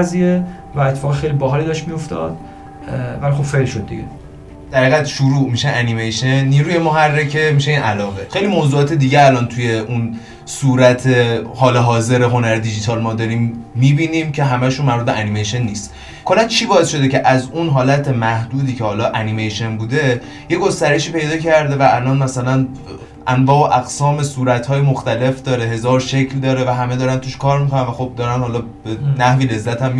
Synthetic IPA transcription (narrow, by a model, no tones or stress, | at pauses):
zie | væet̪ʰːe̥fɒːɣexejlibɒɦɒːliːd̪ɒʃtmijo̞ft̪ɒ̰d̪̥ | vælixo̞b̥felʃo̞d̪̚ːḭɡḛ | d̪̥æɾiːɣæd̪ʃuɾuːʔmiʃeʔænimejʃenːiːɾuːje̞moɦærːecʰe̞miːʃeiːnʔælɒːɣe̞xejlimozuːɒːt̪ʰed̪iːɟeælɒːnt̪ʰuje̞ʔun | suːɾæt̪ʰehɒːleɦɒːze̞ɾeɦo̞næɾed̪id͡ʒit̪ʰɒlmɒːd̪ɒːɾiːmːiːbiːnimcʰe̞ɦæmæʃunmæɾbud̪beʔænimejʃenːiːst̪ | kʰolːænt͡ʃʰiːbɒːesʃo̞d̪ece̞ʔæzunɦɒːlæt̪ʰe̞mæhd̪̥uːd̪iːcʰehɒːlɒːʔænimejʃe̞nbuːd̪e̞ | je̞ɡo̞st̪æɾe̞ʃiːpe̞jd̪ɒːcʰæɾd̪e̞væʔælɒnmæsælæn | ʔænvɒːoʔæɡsɒːme̞suːɾæt̪hɒːjemoxt̪æle̞fd̪ɒːɾe̞ɦe̞zɒːɾʃecʰld̪ɒːɾe̞væɦæme̞d̪ɒːɾænt̪ʰuːʃkʰɒːɾmikʰonænvæxo̞b̚d̪ɒːɾænhɒːlɒː | b̥enæhviːle̞zːæt̪ʰæmː